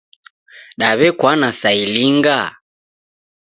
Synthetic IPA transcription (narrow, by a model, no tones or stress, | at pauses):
ɗaβɛkwanasailiŋɡa